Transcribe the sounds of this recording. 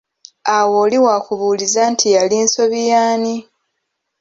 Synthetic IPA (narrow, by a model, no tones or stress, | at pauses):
awoːliwakuβuːlizantʰijaliːnso̞βijaːni